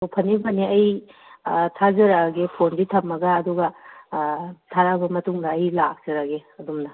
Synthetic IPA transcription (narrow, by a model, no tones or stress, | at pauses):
opʰɐnibɐniɐj | tʰazɐɾaɡepʰonditʰɐmːɐɡɐːd̪uɡɐ | tʰaɾabɐmɐtuŋdɐːjlak̚z̥ɐɾaɡeɐdumnɐ